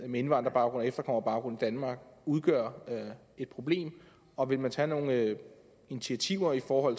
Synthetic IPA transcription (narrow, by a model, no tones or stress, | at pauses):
mee̝nʋɑ̈nd̥ʁɐb̥ɑ̈ʊɡ̥ʁɔ̽n̩ˠefd̥ɐkʰɒ̽m̰ɐbɑ̈ʊɡʁɔ̽n̩ˠd̥ænmɑ̈ːɡ̥uð̞ˠɡ̥ɶ̰ɐ | e̝d̥̚pʰʁo̝b̥le̝̰ːm | ɒ̽ʋe̝lmænt͡sʰæno̝ːŋə | init͡sʰiæt͡sʰiʊ̰ɐifɒːhɒ̽l̰